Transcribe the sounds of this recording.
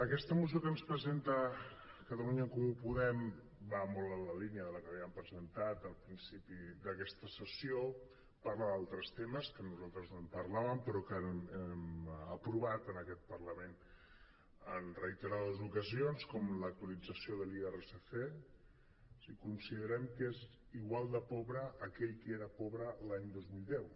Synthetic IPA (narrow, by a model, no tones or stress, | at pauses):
əkɛst̪əmuziokənspɾəzent̪ə | kət̪əluɲəŋkumupuðɛm | bamolˠələliniəðələkəβiəmpɾəzənt̪at̪əlˠpɾinsipid̪əkɛst̪əsəsio | parləðalˠt̪ɾəst̪eməskənuzalˠt̪ɾəznompərlaβəmpəɾɔkəɛməpɾuβat̪ənəkɛt̪̚pərləmen | ənrəit̪əɾaðəzukəzionskɔmlək̚t̪uəlid͡zəsioðəliereseθe | sikunsiðəɾɛmkez | iɣwalˠd̪əpɔβɾəʔːkɛʎkeɾəpɔβɾəlaɲd̪ozmilˠd̪ɛw